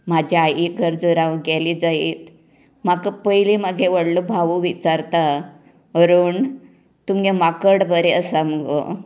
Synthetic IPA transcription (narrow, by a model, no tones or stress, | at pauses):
mad͡ʑʱiajiɡʱəɾd͡zəɾãʋɡɛlid͡zaiːt̪ | makəpəjlimaɡʱeʋəɽlobʱaʋuʋit͡saɾt̪a | əɾuːɳ | t̪umjemakəɽbəɾeəsaməɡo̰